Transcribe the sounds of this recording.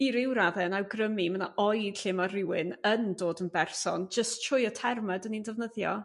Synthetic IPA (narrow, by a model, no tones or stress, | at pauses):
iɾɪwɾaðɛnawɡrəmiməna̰ʔɔjd̥ɬɪmarɪwɪnəndoːdənbɛrsɔnd͡ʒəstʰʊjɔtʰɛrmɛdənindɛvnəðjɔ̰